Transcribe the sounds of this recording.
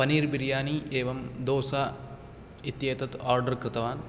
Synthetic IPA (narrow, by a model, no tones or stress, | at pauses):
pɐniːɾbiɾjaːniʔeːʋɐmd̪oːsaː | it̪jeːt̪ɐt̪aːɾɖɐɾkɾɨt̪ɐʋaːn